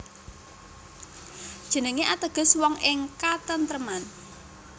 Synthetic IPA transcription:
d̥ʒ̥ə̤nəŋeʔat̪əɡ̥ə̤swɔŋɪŋkat̪ənt̪ɾəman

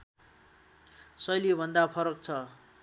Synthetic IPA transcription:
sʌjljobʱʌnd̪apʰʌɾʌk̚t͡sʰʌ

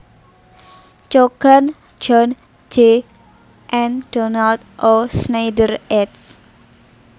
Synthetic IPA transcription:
t͡ʃokan | d͡ʒɔn | d͡ʒe | ʔɛnd̥ɔnalt̪̚ʔɔsnajdərɛts

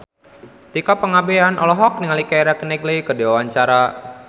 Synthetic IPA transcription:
t̪ikɔpəŋabeanʔɔ̰lɔɦɔk̚niŋalikaiɾakənɛɡlikədewawaɲt͡ʃaɾa

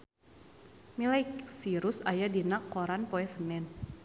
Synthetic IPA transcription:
milajksiɾʊsajadinakːoɾanpoɛsənɛn

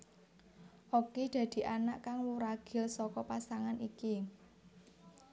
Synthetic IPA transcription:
ʔokid̪̥ä̤d̪̥i̤ʔanaʔkaŋwuɾaɡ̥ɪ̤lsɔkɔpasaŋaniki

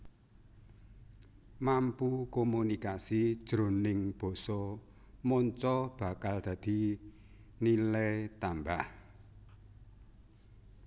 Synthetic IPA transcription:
mampukomunikasid̥ʒ̥ɾo̤nɪŋb̥ɔ̤sɔ | mɔɲt͡ʃɔb̥a̤kald̪̥ä̤d̪̥i̤ | nilɛt̪ambah

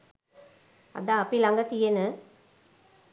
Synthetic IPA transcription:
ɐ̰d̪aːpilɐŋɡɐt̪ijenɯ

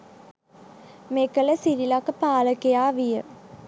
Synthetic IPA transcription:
mekələsiɾilakːpaːləkejaːʋijə

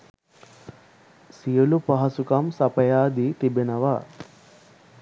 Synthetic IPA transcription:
sijulupɐɦɐsukɐmsɐpɐjaːd̪it̪ibenɐʋa

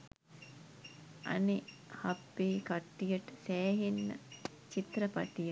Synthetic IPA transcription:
ɐ̰ne | hapːeːkaʈːijəʈəsæːɦinːə̰ | t͡ʃit̪ɾəpaʈijə

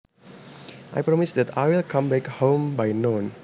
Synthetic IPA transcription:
ʔa̰jpɹɔmisd̪ɛtajwilkʰãmbɛkhõmbajnõn

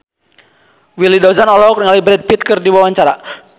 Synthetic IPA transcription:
wilidɔzanɔlɔkɾŋalibɾɛd̚pit̪̚kərdiwawaɲt͡ʃaɾa

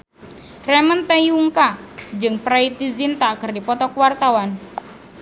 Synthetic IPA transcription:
rɛmənt̪ajuŋkad͡ʒɨŋpɾait̪izint̪aːkɨrdipɔt̪ɔkwart̪awan

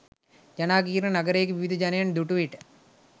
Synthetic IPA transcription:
d͡ʒɐnaːɡiːɾnɐnɐɡɐɾeːkeʋiʋid̪ʱɐd͡ʒɐnɐjand̪uʈuʋiʈ

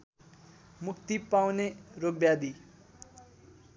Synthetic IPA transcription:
mukt̪ipawneɾobjad̪i

